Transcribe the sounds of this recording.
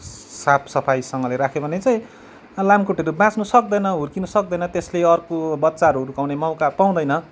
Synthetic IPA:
sapʰsʌpʰajsʌŋɡʌleɾakʰebʱʌnet͡saj̃ | lamkuʈeɾubãt͡snusʌkd̪ʌjnʌɦurkinusʌk̚d̪ʌjnʌt̪esleʌrkobʌt̪ːsaɾuɦʌɾukawnemʌwkapaw̃d̪ʌjnʌ

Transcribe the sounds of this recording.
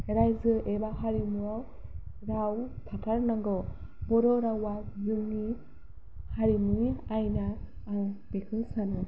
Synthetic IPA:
heɾajzɯʔebaɦaɾimuaw | ɾawt̪ʰatʰaɾnaŋɡɔ | bɔɾɔɾawazɯŋːi | haɾimuiajnaː | ŋb̥ekʰɯsanɯ

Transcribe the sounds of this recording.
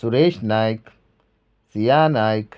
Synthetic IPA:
suɾeʃnajk | sijanajk

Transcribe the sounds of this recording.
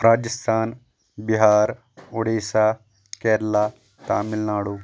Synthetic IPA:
ɾaːd͡ʒəst̪ʰaːn | biɦaːɾ | ʊɽeːsaː | kɛːɾlaː | t̪a̰ːmɪlnaːɽuː

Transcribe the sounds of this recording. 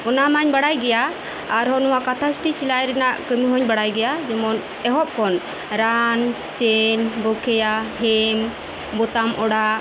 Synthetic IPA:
ɔnamaɲbaɽajɡɛjaː | ɾɦɔnɔwakat̪ʰasʈisilajɾɛnaʔkəmiɦɔɲbaɽajɡɛjad͡ʒɛmɔn | ɛɦɔp̚kɔn | ɾan | t͡ʃɛnbɔkʰɛjaɦɛm | bɔt̪amʔɔɽa

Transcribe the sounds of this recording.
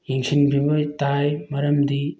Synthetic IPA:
jiŋsʰinbʱimojtajmɐɾɐmdi

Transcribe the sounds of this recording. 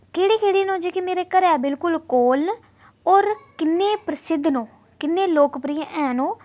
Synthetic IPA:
keːɽiːkʰeːɽiːnõːd͡ʒeːkɪmeːɾeːkəɾɛːbɪlkʊlkoːln | ɔːɾkɪnːeːpɾəsɪd̪ʱnõː | kɪnːeːloːkpɾɪjẽʔɛ̃ːnõː

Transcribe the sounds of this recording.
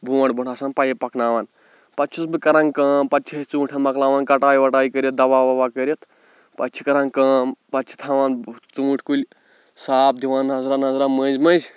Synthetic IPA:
bʱuwɐɳbuɳasɐːnpɐjepɐknaːʋan | pɐt͡ʃʰusbɨkɐɾɐ̃ŋɡkɐːmpɐtt͡ʃʰit͡sũːʈʲʰɐnmɐklaːʋaːnkɐʈaːjʋɐʈaːjikəɾjet̪̚d̪ɐʋaːʋɐʋakəɾʲet̪ʰ | pɐt͡ʃʰikɐɾɐŋɡkɐːmpɐt͡ʃʰi̥t̪ʰaʋaːnt͡sũːʈʰʲkulʲ | saːp̚d̪iʋaːnɦɐzɾanɐzɾamɐzʲmɐzʲ

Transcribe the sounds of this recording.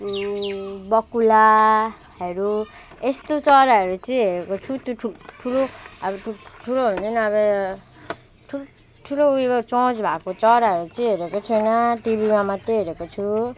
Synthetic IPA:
bʌkula | ɦʌɾu | est̪ot͡sʌɾaʌɾut͡sʌĩɦeɾekot͡sʰut̪joʈʰuʈʰuloʌbʌʈʰuʈʰuloʌ̃nt͡sʰʌnʌːbʌ | ʈʰu | ʈʰuloubʌt͡sot͡sbʱakot͡sʌɾaɦʌɾut͡sʌĩɦeɾekot͡sʰʌjnʌʈibʱimamat̪eɦeɾekot͡sʰu

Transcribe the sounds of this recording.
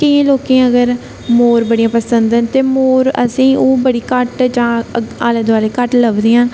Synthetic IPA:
kəãːloːkẽːəɡəɾ | moːɾbəɽijãːpəsənd̪ənt̪eːmoːɾə̰sĩːoːbəɽiːkəʈd͡ʒãːaːləd̪ʋaːleːkəʈləbd̪eːãː

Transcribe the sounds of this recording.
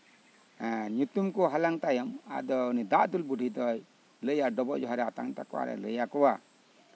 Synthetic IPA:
ɲut̪umkɔɦalaŋt̪ajɔma̰d̪ɔunid̪aʔd̪ulbuɖʱid̪ɔj | ləjaɖɔbɔʔd͡ʒɔɦaɾɛat̪a̰ŋt̪akɔwa̰ɾɛ̰ləjakɔwa

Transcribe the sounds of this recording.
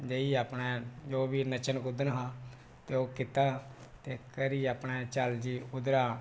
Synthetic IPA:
d͡ʒeiːaːpnɛːd͡ʒoːbiːnət͡ʃənkʊd̪ənɦãː | t̪eːoːkɪt̪aːt̪eːkəɾiːaːpɳɛːt͡ʃəld͡ʒiːʊd̪ɾaː

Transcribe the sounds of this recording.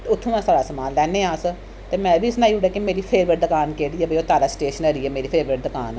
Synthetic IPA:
t̪ːʊt̪ʰːũːmɛ̃ːsaːɽaːsəmaːlːɛːnẽːãːsə | t̪eːmɛ̃ːbiːsnãːiːʊɖeːkemeːɾiːpʰeːɾʋəʈ̚d̪əkaːnkeːɽiːɛːbəioːt̪aːɾaːsʈeːʃənəɾiːɛːmeːɾiːpʰeːɾʋəʈ̚d̪əkaːn

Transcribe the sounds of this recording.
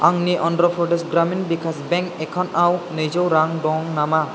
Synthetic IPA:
aŋniʔɔndɾɔpʰɾɔʈesɡɾaminbikʰasbɛ̃ŋkɛkʰɔnawnejzɔwɾaŋɖɔ̃ŋnama

